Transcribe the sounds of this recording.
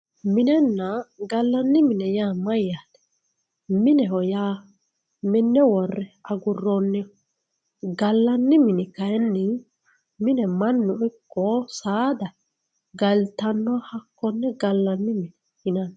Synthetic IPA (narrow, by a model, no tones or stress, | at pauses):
mɪnɛnːɐɡɐlːɐnːɪmɪnɛjaːmɐjːaːt̪ɛ̥ | mɪnɛhɔjaː | mɪnːɛwɔrːɛɐɡʊrːɔnːɛ | ɡɐlːɐnːɪmɪnɪkɐjɛnːɪ | mɪnɛmɐnːʊɪkːɔsaːd̪ɐ | ɡɐlt̪ɐnːɔhɐkːɔnːɛɡɐlːɐnːɪmɪnɛ | hɪnɐn